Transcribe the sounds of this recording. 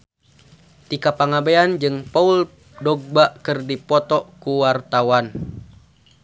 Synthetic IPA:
t̪ikapaŋabeand͡ʒɨŋpaul | dɔɡ̚baʔkɨrdipɔt̪ɔkuwart̪awan

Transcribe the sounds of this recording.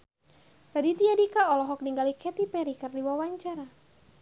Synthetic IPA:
ɾadit̪iadikaɔlɔɦɔk̚niŋɡalikʰɛt̪ipɛɾikɨrdiwawaɲt͡ʃaɾa

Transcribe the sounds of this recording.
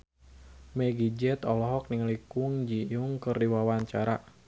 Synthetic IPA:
mɛɡid͡ʒɛt̪ɔlɔɦɔk̚niŋlikʊŋd͡ʒijuŋkɨrdiwawaɲt͡ʃaɾa̰

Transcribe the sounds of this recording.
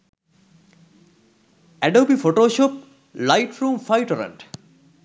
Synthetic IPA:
æɖɐwbifoʈoːʃoːp̚ | lajʈʰɾuːmfajʈɾɐ̰ɳʈ

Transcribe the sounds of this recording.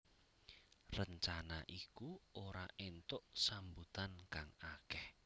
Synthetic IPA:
rəɲt͡ʃanaʔikuoɾa̰ʔent̪ʊʔsambut̪ankaŋakɛh

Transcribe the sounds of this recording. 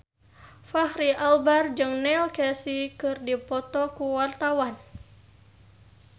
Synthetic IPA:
fahɾiʔalbard͡ʒɨŋnɛlkɛsikɨrdipɔt̪ɔkuwart̪awan

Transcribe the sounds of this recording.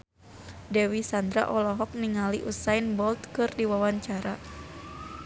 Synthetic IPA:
dɛwisand̪ɾa̰ʔɔlɔɦɔk̚niŋaliʔusainbɔlt̪kɨrdiwawaɲt͡ʃaɾa

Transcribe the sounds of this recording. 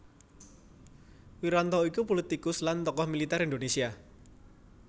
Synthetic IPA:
wiɾant̪ɔikupolit̪ikʊslant̪ɔkɔhmilit̪ɛɾind̪onesia

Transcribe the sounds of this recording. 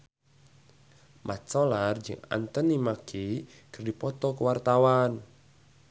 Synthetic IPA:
mʔat͡ʃɔlard͡ʒə̰ŋa̰nt̪ənimakʰi | kərdipɔt̪ɔkəwart̪awan

